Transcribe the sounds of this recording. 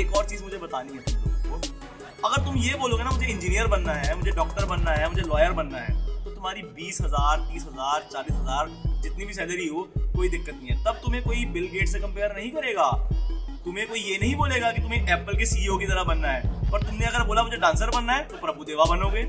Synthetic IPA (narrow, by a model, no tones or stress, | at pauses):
eːkɔːɾt͡ʃiːzmʊd͡ʒʱebɐt̪aːnĩɦɛt̪ːoː | ɐɡəɾt̪ʊmjeboːloːɡenamʊd͡ʒʱeɪ̃nd͡ʒiːnijəɾbɐnːaɦɛːmʊd͡ʒʱeɖɔːk̚ʈəɾbɐnːaɦɛmʊd͡ʒʱelɔːjəɾbɐnːaɦɛ̰ːt̪ot̪ʊmaːɾibiːsɦɐzaːɾt̪iːsɦɐzaːɾt͡ʃaːliːsɦɐzaːɾd͡ʒɪt̪nibʱisɛːləɾiɦoːkoːid̪ɪkːət̪nĩɦɛ̃ːt̪ɐb̚t̪ʊmẽkoːibɪlɡeːʈsekɐ̃mpeːəɾnɐɦĩkɐɾeːɡaːt̪ʊmẽkoːijenɐɦĩboːleːɡakit̪ʊmẽʔɛːpəlkesiːokit̪ɐɾabɐnːaɦɛːpɐɾt̪ʊmnẽɐɡəɾboːlamʊd͡ʒʱeɖãːnsəɾbɐnːaɦɛːt̪opɾɐbud̪eːʋabɐnoːɡeː